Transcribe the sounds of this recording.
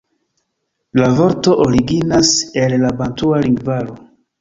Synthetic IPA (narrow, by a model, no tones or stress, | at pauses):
lavo̞ɾto̞ʔoɾiɡinase̞lːabantualiŋɡvaɾo